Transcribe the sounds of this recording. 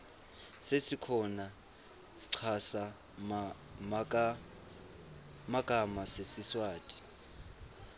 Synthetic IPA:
sesikʰɔna | si̥ǀʰasa | makʼamasesiswaːtʼi̥

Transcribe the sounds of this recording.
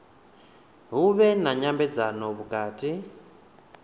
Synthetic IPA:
ɦuβɛnaɲambɛd͡zanɔβukaːtʼi

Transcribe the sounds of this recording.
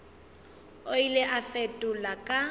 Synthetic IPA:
oileʔafɛtʼʊlakʼa

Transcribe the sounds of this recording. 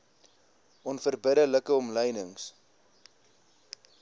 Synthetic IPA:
ʔɔnfərbəɾələkəɔmləjnəŋs

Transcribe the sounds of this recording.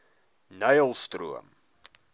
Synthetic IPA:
nəjəlˠstrṵə̰m

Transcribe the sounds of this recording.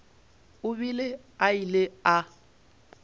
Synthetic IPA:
ʊbilɪ | ailɪa

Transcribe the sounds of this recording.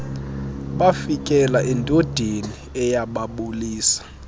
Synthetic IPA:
ɓafikʼɛlaʔɛntʼod̥ʱeniɛjaɓaɓuliːsḁ

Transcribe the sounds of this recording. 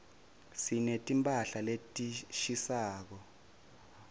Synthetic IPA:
sinetʼimpʼaɬaletʼiʃisaːk̬ɔ

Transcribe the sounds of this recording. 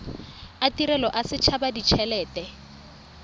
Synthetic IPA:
atiɾɛlɔʔasɪt͡ʃʰabadit͡ʃʰɛlɛːtɛ

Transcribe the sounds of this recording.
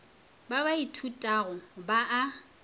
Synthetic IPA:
baβaitʰutʼaɣʊbaʔa

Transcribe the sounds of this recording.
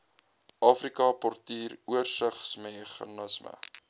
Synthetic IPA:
ʔɑːfrikɐpɔrtiːruərsəχsmeχɑ̰nəsmə̰

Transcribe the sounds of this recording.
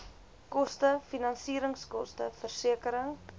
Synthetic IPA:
kɔstəfinɐnsiːɾəŋskɔstəfərsiəkəɾəŋ

